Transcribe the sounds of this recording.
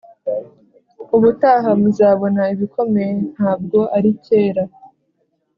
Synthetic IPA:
uβutaːɦamuzaːβo̞naiβikʰo̞men̥haːb̚ɡo̞ʔaɾice̞ːɾa

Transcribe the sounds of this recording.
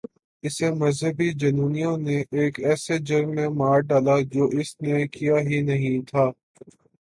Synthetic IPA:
ɪsemɐzɦəbid͡ʒɐnuːnijõneʔeːkɛːsed͡ʒɐɾmẽmaːɾɖaːlad͡ʒoːʔɪsnekijaɦinɐɦĩt̪ʰaː

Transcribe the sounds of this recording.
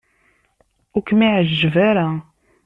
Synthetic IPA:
ʊkmiʕəʒːəvaɾa

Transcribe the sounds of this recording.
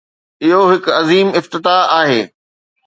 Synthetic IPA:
ɪɦoɦɪkɐziːmɪft̪ɪt̪aaːɦeː

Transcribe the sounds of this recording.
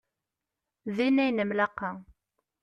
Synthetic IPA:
ðinæjnəmlaqːɑ

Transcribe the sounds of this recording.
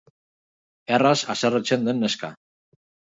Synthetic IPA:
erasasaret͡send̪enːeska̰

